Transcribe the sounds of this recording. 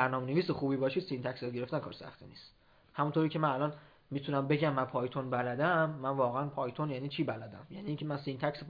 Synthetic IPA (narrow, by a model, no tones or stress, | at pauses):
æɾnɒːmeneviːsexuːbiːbɒːʃid̪sint̪ʰæcsjɒːt̪̚ɟe̞ɾe̞ft̪ænkʰɒ̰ːɾesæ̰xt̪ʰinḭːst̪ | hæmunt̪ʰoɾiːcʰemænælɒn | miːt̪ʰunæmbe̞ɟæmːænpʰɒːjt̪ʰonbælæd̪æmːænvɒːɣeænpʰɒːjt̪ʰonjæniːt͡ʃʰiːbælæd̪æ̰mjæniːŋcʰemænsint̪ʰæcs